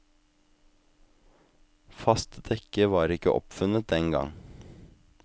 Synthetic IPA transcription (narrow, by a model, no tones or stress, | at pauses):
fɑst̪d̪ɛkəʋɑːɾɪkəʔɔ̰pfʉnət̪̚d̪ɛŋɡɑ̰ŋ